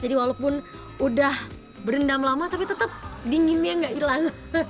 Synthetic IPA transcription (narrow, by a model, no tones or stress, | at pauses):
d͡ʒadiwalopʊn | udah | bəɾəndamlamat̪apit̪ət̪əp̚diŋimɲaŋɡaʔilaŋ